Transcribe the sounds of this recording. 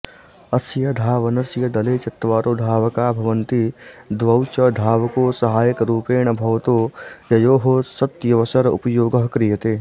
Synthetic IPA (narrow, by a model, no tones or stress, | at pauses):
ɐsjɐd̪ʱaːʋɐnɐsjɐd̪ɐleːt͡ʃɐt̪ːʋaːɾoːd̪ʱaːʋkaːbʱɐʋənt̪id̪ʋɐwt͡ʃɐd̪ʱaːʋkosɐɦaːjəkɾuːpeːɳ̃ɐbʱɐʋt̪ojɐjoːɦosɐt̪jɐʋɐsɐɾʊ̰pɐjoːɡɐɦkɾijɐt̪eː